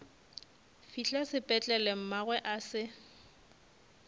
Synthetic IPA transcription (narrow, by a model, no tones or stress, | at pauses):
fiɬasɪpʼɛt͡ɬʼɛlɛm̩maɣwɛʔasɪ